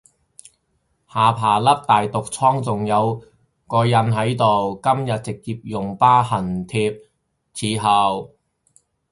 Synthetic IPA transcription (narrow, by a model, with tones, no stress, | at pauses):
haː˨pʰaː˨˩lɐ˥p̚t̪aː˨jt̪ʊ˨k̚t͡sʰɔː˥ŋt͡sʊ˨ŋjɐ˨˧w | kɔː˧jɐ˨˥nɦɐ˨˥jt̪o˨wkɐ˥mjɐ˨t̚t͡sɪ˨k̚ːiː˧p̚jʊ˨ŋpaː˥hɐ˨˩nt̪ʰiː˧p̚ | t͡sʰiː˨˧˥ɦɐ˨w